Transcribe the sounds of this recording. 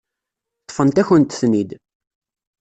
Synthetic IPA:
t̪ˤːfənt̪æçənt̪snid̪

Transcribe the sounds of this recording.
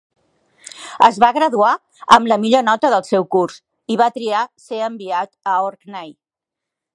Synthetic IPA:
əzβaɣɾəðua | əmləmiʎonɔt̪əðəlˠsɛwkurs | iβ̞at̪ɾiaseəmbiat̪əoɾknaj

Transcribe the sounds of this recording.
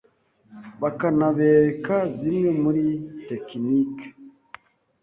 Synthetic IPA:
βakanaβeɾekazimŋemuɾitekinik

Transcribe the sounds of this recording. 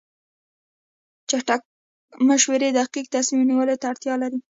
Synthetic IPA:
t͡ʃaʈak̚ | maʃweɾed̪aqik̚t̪asmimniwəlot̪aːɽt̪jɑlaɾi

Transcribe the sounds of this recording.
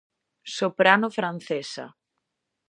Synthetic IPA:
sopɾanʊfɾan̟θesa̰

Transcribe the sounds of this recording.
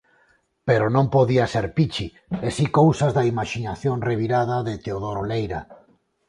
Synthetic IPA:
peɾonõmpoðiaseɾpit͡ʃi | esikowsazðaimaʃinaθjoŋreβ̞iɾað̞aðet̪eoð̞oɾolejɾa

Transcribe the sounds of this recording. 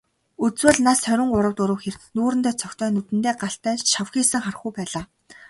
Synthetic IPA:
ut͡swɘ̆ɮnasʰœɾʲɪ̆ŋɢʊɾə̆w̚t̪ʊɾə̆wxert̪nuːɾɘ̆nt̪æːt͡sʰœkʲt̪ʰœːnut̪ɘ̆nt̪eːɢaɬt̪æːt͡ɕʃawxiːsɘ̆ŋχarə̆χujpæːɮaː

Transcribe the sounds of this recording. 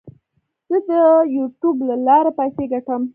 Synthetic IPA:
z̥əd̪əjuʈjublalɑɾapajseɡaʈəm

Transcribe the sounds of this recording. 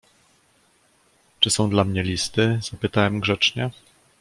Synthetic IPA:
t͡ʂɘsɔ̃w̃d̪lamɲɛlʲist̪ɘz̥apɘt̪awɛmɡʐɛt͡ʂɲɛ

